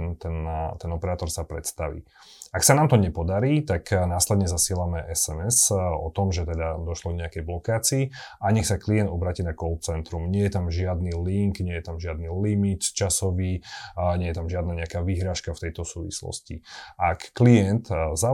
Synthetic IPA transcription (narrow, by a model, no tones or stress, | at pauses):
nt̪ɛnt̪ɛnɔpɛɾaːt̪ɔɾsapɾɛt̪st̪aʋḭː | aksanaːmt̪ɔɲɛpɔd̪aɾiːt̪aknaːslɛd̪ɲɛzasɪɛlamɛʔɛsɛmɛsɔ̰t̪ɔmʒɛt̪ɛd̪ad̪ɔʃlɔɡɲɛakɛjblɔkaːt͡siːʔaɲɛxsaklijɛnd̪ɔbɾaːcinakɔlˠpt͡sɛnt̪ɾumɲɪɛjɛt̪amʒɪad̪niliŋkɲɛjɛt̪amʒɪad̪nilimit̪t͡ʃasɔʋiːɲɛjɛt̪amʒɪad̪naɲɛakaːʋiɦɾaːʃkaft̪ɛjt̪ɔsuːʋḭslɔ̰scḭʔakːliɛnt̪za